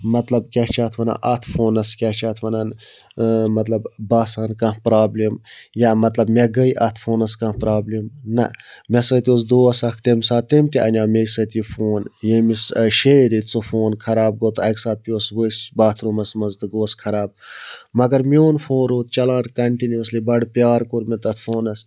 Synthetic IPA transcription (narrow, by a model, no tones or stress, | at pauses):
mɐt̪lɐbkʲat͡ʃʰaːt̪ʰʋɐna̰ːʔɐt̪ʰfʰoːnɐskʲɐht͡ʃʰaːt̪ʰʋɐnan | mɐt̪lɐbbaːsaːnkãːpɾaːblemjaːmɐt̪lɐbmʲeɡəiʔɐt̪ʰfʰoːnɐskãːpɾaːblimnɐ̰mʲɛsɐt̪ʲioːs̬d̪oːɐsɐkʰt̪emsaːt̪emt̪iʔɐnʲaːmʲesɐt̪ʲifoːnjemisʃeːɾit͡sofoːnkʰɐɾaːb̚ɡot̪ɐksaːt̪̚pʲiosʋəisbaːt̪ʰɾumɐsmɐzt̪ɨɡoːskʰɐɾaːb̚mɐɡɐɾmʲoːnfoːnɾoːt̪̚t͡ʃɐlãːnkɐɳʈinuɐslibɐɽpjaːɾkuɾmit̪ɐt̪ʰfoːnɐs